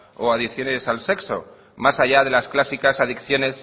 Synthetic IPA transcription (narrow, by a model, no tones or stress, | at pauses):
o̰aðiθjo̞ne̞salse̞kso̞̰ | masaʝað̞e̞lasklasikasaðikθjo̞ne̞s